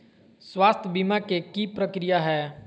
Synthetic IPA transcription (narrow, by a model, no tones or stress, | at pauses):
swaːst̪ʰəbimakekipɾɐkɾijaɦɛː